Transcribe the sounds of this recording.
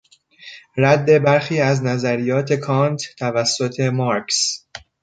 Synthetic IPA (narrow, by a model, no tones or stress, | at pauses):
ɾæd̪ːe̞bæɾxiːæznæzæɾijɒːt̪ʰe̞kʰɒːnt̪t̪ʰævæsːo̞t̪ʰe̞mɒɾks